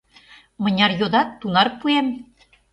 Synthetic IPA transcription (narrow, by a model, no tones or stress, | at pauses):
mɤ̆nʲɑrjod̪ɑt̪ːunɑrpuem